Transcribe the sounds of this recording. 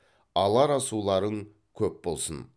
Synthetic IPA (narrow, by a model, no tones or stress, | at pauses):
ɑlˠɑɾɑsulˠɑɾəɴ | kʲʰɵpbo̞lˠsən